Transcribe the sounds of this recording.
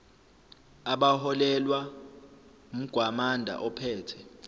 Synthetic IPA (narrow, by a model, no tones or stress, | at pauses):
aɓahɔlɛlwa | um̩ɡ̥ʱwamandʱa̰ʔɔpʰɛːtʰɛ